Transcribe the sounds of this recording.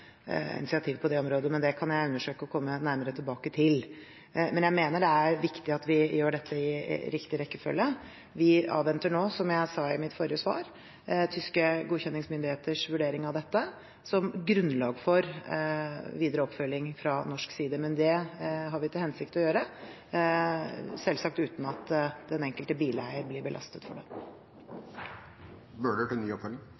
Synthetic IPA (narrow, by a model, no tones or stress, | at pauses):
ɪ̰nɪsɪɑt̪ʰiːʋpʰɔd̪ɛɔmɾoːd̪əmɛnd̪ɛkʰɑnjæɪʉnːəʂøːkəɔkʰɔmːənæɾməɾət̪ʰɪlbɑːkət̪ʰɪl | mɛnjæɪmeːnəɖɛæɾʋɪkt̪ɪɑt̪ʋɪjøːɖɛt̪ʰːəɪɾɪkt̪ɪɾɛkːəfœ̰lːjə | ʋɪɑ̰ːʋʋɛnt̪əɳoːsɔmjæɪsɑɪmɪt̪fɔɾɪəsʋɑ̰ːɾ | t̪ʰʏskəɡuːçɛnːɪŋsmʏnd̪ɪheːt̪əʂʋʉɖeːɾɪŋɑʋd̪ɛt̪ːə | sɔmɡɾʉnlɑːɡfɔɾ | ʋiːd̪əɾəɔpːfœlːɪŋfɾɑnɔʂksiːd̪əmɛnd̪ɛɦɑɾʋɪt̪ʰɪlhɛnsɪkt̪ɔjøːɾə | sɛlsɑk̚t̪ʉːt̪n̩ɑt̪d̪ɛnɛŋkəlt̪əbiːlæɪəɾblɪɾbəlʔɑ̰st̪ət̪fɔ̰ɖɛ | møːɖəʈɪlnyːəɔpfœlɪŋ